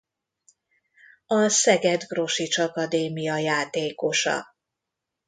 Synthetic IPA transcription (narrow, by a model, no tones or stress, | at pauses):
ɒsɛɡɛd̪ɡro̞ʃit͡ʃɒkɒd̪eːmijɒjaːt̪eːko̞ʃɒ̰